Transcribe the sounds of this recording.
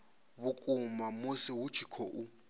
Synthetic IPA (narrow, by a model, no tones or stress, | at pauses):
βʊkʼʊmamosɪɦut͡ʃʰi̥kʰɔʔu